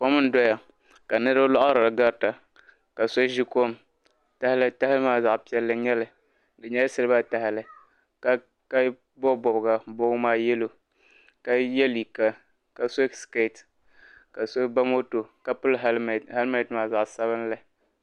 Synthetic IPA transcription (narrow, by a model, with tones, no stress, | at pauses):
po˦mɨ˦n̩˦dɔ˦ja˨ | ka˨nɨ˦ɾa˦lɔ˦ʔɾa˨ɡa˦ɾta˨ | ka˨so˦ʒi˦ko˦˨m | ta˦hɪ˦lɨ˦ta˦hɪ˦lmaː˦za˨ʔpi˦ɛ˦lːɨ˦ɲɛ˦lɨ˨ | dɨ˨ɲɛ˦jsɨ˦lɨ˦ba˦ta˨hɪ˨lɨ˨ | ka˦ | ka˦ | bɔ˦bɔ˨bɡa˨bo˦maː˦jɛ˦lo˨ | ka˨jɛ˦li˨ka˨ | ka˨so˦ske˦˨t | ka˨so˦ba˦mo˦to˨ka˨pʊ˦lha˦lma˦˨tmaː˨˦za˨ʔsa˦βɨ˦n˦la˨